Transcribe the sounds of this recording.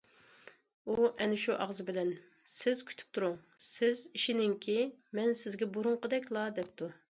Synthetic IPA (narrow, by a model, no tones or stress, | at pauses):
uʔɛnɪʃuʔɑʁzɨbɪlɛn | sɪz̥kʲʰy̥t̪ʰy̥p̚t̪ʰuɾuŋ | sɪziʃinɪŋkʲʰimɛnsɪzɡʲɛbuɾʊŋqəd̪ɛkʲlˠɑd̪ɛp̚t̪ʰu